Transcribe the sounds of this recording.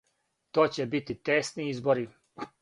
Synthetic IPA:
t̪oːt͡ɕebit̪it̪eːst̪niizboɾi

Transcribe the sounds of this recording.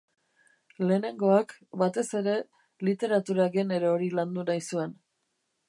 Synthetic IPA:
le̞ːne̞ŋɡo̞akbat̪e̞se̞ɾe̞ | lit̪e̞ɾat̪uɾaɣene̞ɾeo̞ɾiland̪unajsue̞n

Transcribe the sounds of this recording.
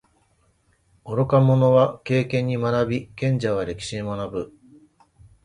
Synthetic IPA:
oɾo̞kamo̞no̞βake̞ːkẽ̞ɲ̟ːimanabʲikẽ̞ɲ̟d͡ʑaβ̞aɾe̞kʲi̥ɕimonabɯ̟

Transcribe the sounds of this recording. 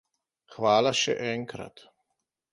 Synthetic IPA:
xʋaːlaʃɛ̰ʔɛŋkɾa̰t̪

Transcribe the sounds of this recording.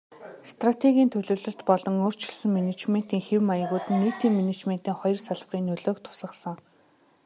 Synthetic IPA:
st̪rat̪ʰeɣʲiːnt̪ʰɵɮɵ̆ːwɮɵ̆ɬt̪pɔɮɞ̆ŋoːr̥t͡ɕɪ̆ɮsɘ̆ŋminet͡ɕmen̥t̪iːŋxewmajə̆ɣuːt̪ɘ̆nːiːt̪iːŋminet͡ɕmen̥t̪iːŋχɔjɞ̆rsaɮpʁiːnːɵɮoːkt̪ʰʊ̥sə̆χsə̆ŋ

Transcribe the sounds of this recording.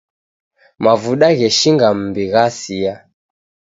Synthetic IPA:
mavuɗaɣɛʃiŋɡam̩biɣasia

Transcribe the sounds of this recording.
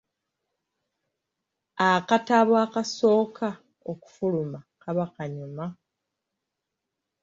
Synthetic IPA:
akataβwakaso̞ːka | oku̥fulumakaβakaɲuma

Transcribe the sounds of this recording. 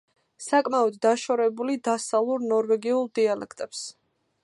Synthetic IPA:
sakʼmaɔd̪ːaʃɔɾɛbulid̪asalˠuɾnɔɾvɛɡiulˠd̪ialɛkʰt̪ʼɛps

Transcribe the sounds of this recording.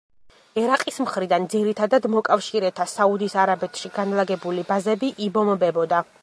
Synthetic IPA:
ɛɾaqʼismχɾid̪and̪ziɾit̪ʰad̪ad̪mɔkʼafʃiɾɛt̪ʰasaud̪isaɾabɛt̪ʰʃiɡanlˠaɡɛbulibazɛbiʔibɔmbɛbɔd̪a

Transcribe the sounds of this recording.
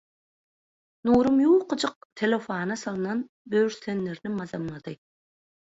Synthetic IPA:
nuːɾumjuːqʰɯd͡ʒɯq̚t̪ʰelʲefaːnɑsɑlˠɯnɑn | bøɾsenːeɾnɪmɑzɑmlˠɑd̪̥ɯ

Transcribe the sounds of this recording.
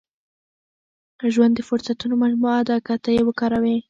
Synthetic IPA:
ʒwand̪əfʊɾsat̪unomad͡ʒmuad̪ɑkat̪əjewəkɑɾawe

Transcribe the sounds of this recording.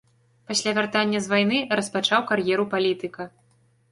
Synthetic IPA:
pasʲlʲavʲart̪anʲːɐzvajnɨrɐspat͡ʂawkarjɛɾupalʲit̪ɨkɐ

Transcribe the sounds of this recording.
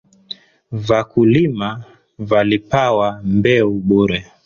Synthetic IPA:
vakulima | valipawambɛuɓuɾɛ

